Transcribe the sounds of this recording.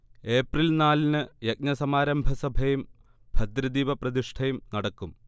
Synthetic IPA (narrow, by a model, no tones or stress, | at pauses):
e̞ːprilnaːlinɨjɐk̚nɐsɐmaːɾɐmbʱɐsɐbʱɐjum | b̥ʱɐd̪ɾɐd̪iːʋɐprɐd̪iʂʈʰɐjumnɐɽɐkːum